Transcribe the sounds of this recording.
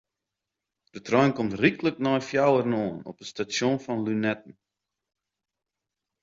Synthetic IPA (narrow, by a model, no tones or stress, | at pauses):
d̥ətrɔjnkɔmtrikləknɔjfjawərnoːnɔ̰pəstasjonfɔnlynɛtn̩